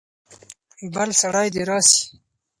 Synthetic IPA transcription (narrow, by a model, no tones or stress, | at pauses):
balsaɽɑjd̪eɾɑːsi̥